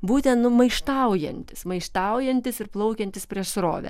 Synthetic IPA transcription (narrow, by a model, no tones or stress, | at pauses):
buːt̪ʲɛnt̪nʊmɐɪʃt̪ɐʊjɛ̰nʲt̪ʲɪsmɐɪʃt̪ɐʊjɛnʲt̪ʲɪsɪrplˠɐʊkʲɛnʲt̪ʲɪspʲɾʲiɛʃsɾo̰ːʋʲɛ̰